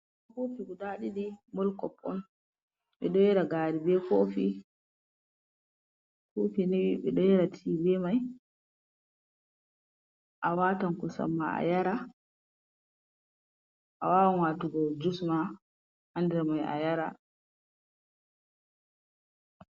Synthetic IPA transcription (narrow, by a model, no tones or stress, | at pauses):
akofiɡuɗaɗiɗimɔlkɔpʰʼːɔ̰m | ɓɛ̰ɗɔjɛɾaɡaːɾibɛkoːfi | kofinewiɓɛɗɔjɛɾatʰibɛmaj | ʔawatankɔsa̰mːa̰a̰jaɾa | ʔa̰wawanwatuɡɔd͡ʒusma | andɛɾmaja̰jaɾa̰